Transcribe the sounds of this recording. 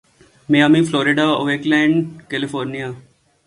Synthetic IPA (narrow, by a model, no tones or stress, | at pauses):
meamifloːɾɪɖaːoʋeːklɛ̃ːɪɳɖkelɪfoːɾnijaː